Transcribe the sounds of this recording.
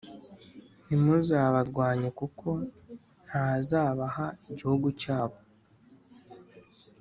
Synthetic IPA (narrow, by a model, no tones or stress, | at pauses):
nimuzaːβaɾɡwaːɲekukʰo̞ | n̥hazaːβahaiɟihuɡucaːβo̞